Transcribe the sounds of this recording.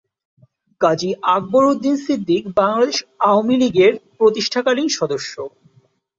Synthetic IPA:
kad͡ʑiʔaɡ̚boɾod̪ːinsid̪ʱːikbaŋlad̪eʃaoamiliɡeɾpɾot̪iʃʈʰakaliŋʃɔd̪oʃːo

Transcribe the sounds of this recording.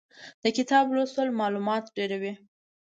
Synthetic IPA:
d̪̥əkɪt̪ɑblosəlmɑlumɑt̪ɖeɾawi

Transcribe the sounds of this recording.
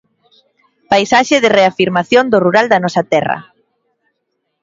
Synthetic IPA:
pajsaʃɪðɪreafiɾmaθjond̪ʊruɾald̪ɐnɔsɐt̪ɛrɐ̰

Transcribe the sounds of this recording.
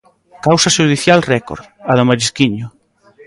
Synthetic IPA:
kawsɐʃuðiθjalrɛko̰ɾð | aðʊmaɾiskiɲʊ

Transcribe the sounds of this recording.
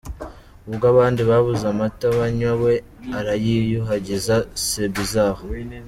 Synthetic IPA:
uβɡaβaːndiβaβuzamataβaɲwawe̞ | aɾajijuɦaɟezasebizaːho

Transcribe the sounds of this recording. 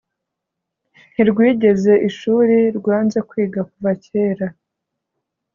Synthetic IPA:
n̥iɾɡwiːɟe̞ze̞ʔiʃuːɾiɾɡwaːnze̞kwiːɡakuvaceːɾa

